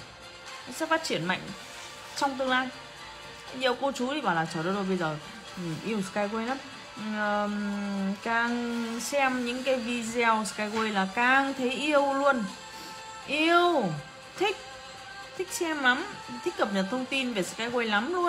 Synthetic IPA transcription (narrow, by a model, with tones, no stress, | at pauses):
nɔ˨˦sɛ̰˧˥faː˦˥t̚t͡ɕi˧˩ənma̰˧˨jŋ̟ | t͡ɕɔ˧wŋ͡mt̪ɨ˧əŋlaː˧j | zḭ˧˨ə˨wko˧t͡ɕu˨˦t̪ʰi˨˩ɓaː˨˩laː˨˩t͡ɕəː˧˩ɗo˧˩zo˨˩jɓə˧jzəː˨˩˨ | ʔi˧əwskaː˧jɣwe˧jlaː˨˦mː˨˩ | kaː˧˩ŋsɛ˧mɲɨ̰˧˥ŋkaː˨˦jvi˧zwskaː˧jɣwe˧jlaː˨˩kaː˨˩ŋt̪ʰe˨˦jʔi˧əwlu˧ən | ʔi˧əw | t̪ʰï˦˥k̟̚ | t̪ʰï˦˥k̟̚sɛ˧mla˨˦m˨t̪ʰï˦˥k̚kːə˨˩p̚ɲə˨˩t̚t̪ʰə˧wŋ͡mt̪i˧nve˨˩skaː˧jɣwe˧jla˨˦mlu˧ən